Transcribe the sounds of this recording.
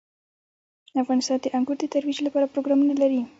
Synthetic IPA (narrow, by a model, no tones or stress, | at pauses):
afɣɑnɪst̪ɑnd̪əʔaŋɡuɾd̪ət̪aɾwid͡ʒlapɑɾapɾoɡɾɑmunalaɾi